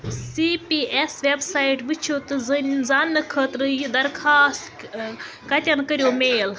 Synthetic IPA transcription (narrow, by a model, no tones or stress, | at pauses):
sipiʔesʋebsaːiʈbɨt͡ʃʰot̪ɨzɨnzanːɨkʰəːt̪ɾɨjid̪ɐɾkʰaːst̪ | kɐt̪ʲɐnkəɾʲjoːmeːl